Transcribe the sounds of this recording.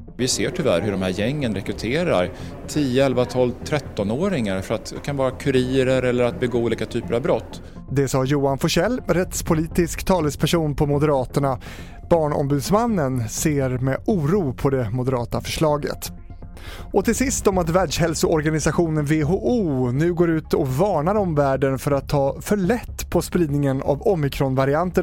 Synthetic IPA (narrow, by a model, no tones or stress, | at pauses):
vɪseːʈʰʏvæ̰ɾɦɵɖɔmhæːɾjɛŋːənɾɛkɾɵt̪ʰeːɾa̰ɾ | t̪ʰiːjəɛlvat̪ʰɔːlt̪ʰɾɛt̪ːɔnoːɾɪŋaɾfœɾat̪kʰanvɑːɾakʰɵɾiːəɾəɾɛlːəɾat̪̚bɛɡoːuliːkat̪ʰyːpəɾavbɾɔt̪ː | d̪ɛsɑːjuːanfɔʂɛlːɾɛt̪spʰʊliːt̪ɪskt̪ʰɑːləspʰæʂuːnpʰɔmʊd̪əɾɑːt̪əɳa | b̥ɑːɳɔ̰mbʉ̟ːd̪smanːənseːɾmɛʔuːɾuːpʰɔd̪ɛmʊd̪əɾɑːt̪afœ̥ʂɭɑːɡə̰t̪ | ʔɔt̪ʰɪlsɪst̪ɔmat̪væːɖʂhɛlsʊɔɾɡanɪsaɧuːnənveɦoːʔuːnʉ̟ːɡoːɾʉ̟ːt̪ɔvɑːɳaɾɔmvæːɖənfœɾat̪ʰːɑːfœɭɛt̪ːpʰɔspɾiːd̪nɪŋəna̰vɔmːɪkʰɾɔnvaɾɪant̪ə